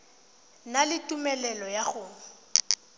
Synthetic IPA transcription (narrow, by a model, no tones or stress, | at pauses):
nalɪtʼumɛlɛlɔjaɣʊː